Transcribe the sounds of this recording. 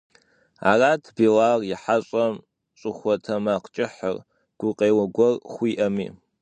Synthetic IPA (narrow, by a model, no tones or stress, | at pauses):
a̰ːraːtʰbiːlaːrjɪħaɕʼɐm | ɕʼʊxʷɔtʰɐmaːqt͡ʃʼɪħə̰r | ɡ̥ʷʊqʼeːwɐɡʷɔrχʷiːʔɐmḭː